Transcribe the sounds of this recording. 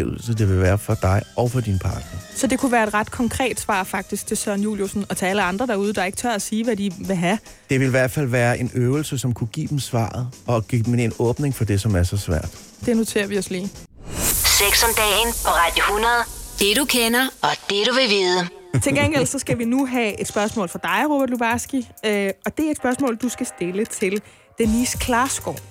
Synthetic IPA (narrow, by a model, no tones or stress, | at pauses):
l̩səd̥e̝ʋe̝ʋæːɐfɒ̽d̥ɑ̈ɪʔɒʊfɒd̥inpʰɑ̰̈ːd̥nɐsɒ̽d̥e̝kʰuʋæːɐe̝d̥ʁɑd̥kʰɒ̽ŋkʰʁɛ̰ːd̥sʋɑ̰̈ːfɑ̈ɡ̥̚d̥isɡ̥̚t͡sʰe̝sœɐ̰njṵːljosn̩ɒ̽t͡sʰeæləɑ̈nd̥ʁɐɾ̥ɑ̈uːð̞ˠd̥ɑ̈e̝ɡ̥t͡sʰɶɐ̰æsiːʋædiʋe̝ɦæ | d̥e̝ʋe̝lʋæɐ̰d̥fæl̰ʋæːɐʔe̝nøːʊl̩səsɒ̽mkʰuɡ̥ḭːd̥emsʋɑ̰̈ːð̩ˠɒ̽ɡ̥imenenɔːb̥ne̝ŋfɒ̽d̥e̝sɒ̽mæɐsɒ̽sʋæɐ̰d̥ | d̥eno̝t͡sʰe̝̰ːɐʋiɒ̽slḭː | seɡ̥sɒnd̥ɛnpʰɒ̽ʁɑ̈d̥johunɐð̩ˠd̥e̝ɾukʰenɐɒ̽d̥e̝ɾ̥uʋe̝ʋiːðˠə | t͡sʰeɡ̥eŋ̰ɡ̥ell̰sɒ̽sɡ̥æʋinuɦæe̝d̥sb̥ɶɐsmɔ̰ːlfɑd̥ɑ̈ɪʁo̝b̥æɐ̰d̥lub̥ɑsɡ̥iøɒ̽d̥e̝æɐed̥sb̥ɶɐsmɔ̰̽ːld̥usɡ̥æsd̥e̝lət͡sʰe̝l | d̥enːiːskʰlɑ̈sɡ̥ɒ̰ː